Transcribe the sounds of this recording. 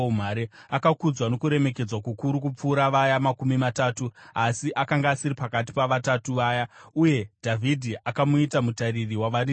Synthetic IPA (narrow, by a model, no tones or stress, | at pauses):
um̤aɾeakakud͡zwano̞kuɾe̞me̞ke̞d͡zwakukuɾuk̬up͡fuːɾaʋajamakumimataːtuasiʔakaŋɡaːsiɾipakat̬i̥paʋatatuʋaːjauje̞dʱavʱidʱiʔakamuitamutaririwaʋari